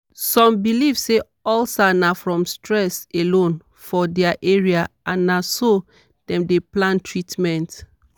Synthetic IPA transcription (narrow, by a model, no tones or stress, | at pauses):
sɔ̃mbilivse | ɔlsanafɹɔ̃mstɹɛselõn | fɔdɛaʔeɹiaãnːaso | d̥ɛ̃mdeplãntʰɹitmɛ̃nt